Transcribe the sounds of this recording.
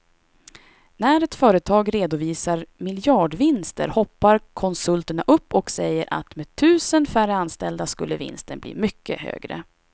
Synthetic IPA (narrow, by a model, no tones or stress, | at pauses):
næɾɛt̪fœːɾət̪ʰɑːɡɾeːd̪ʊviːsaɾmɪljɑːɖvɪnst̪ə̰ɾhɔpːaɾkʰɔnsɵlt̪əɳaʔɵpːɔksɛjːəɾʔa̰t̪meːt̪ʰʉ̟ːsənfærəanst̪ɛld̪askɵlːəvɪ̰nst̪ənblḭːmʏkːə̰hø̰ːɡɾə̰